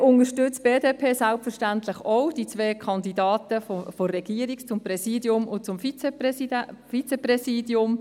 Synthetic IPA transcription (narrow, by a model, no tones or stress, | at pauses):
ʊnəʃtʏt͡sb̥eːdeːpʰeːsalpfəɾʃtantlɪχoʊd̥it͡sveːkʰɑndidɑːtəfoforːɛɡ̥iəɾikt͡sʊmprɛsiːdjʊmʊnt͡sʊmfit͡seɛsidfit͡sɛprɛsiːdjʊm